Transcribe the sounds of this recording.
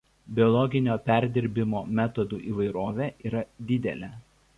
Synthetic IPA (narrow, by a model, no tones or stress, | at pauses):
bʲɪɔlˠɔɡʲɪnʲoːpʲæˑɾʲd̪ʲɪɾʲbʲɪmoːmʲæt̪ɔd̪uːʔiːʋɐɪɾoːʋʲeʔiːɾɐd̪ʲɪd̪ʲɛ̰lʲɛ